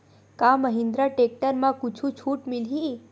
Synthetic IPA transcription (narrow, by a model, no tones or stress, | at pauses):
kaməɦĩnd̪ɾaʈek̚ʈəɾmãkut͡ʃʰũt͡ʃʰuʈmilɦi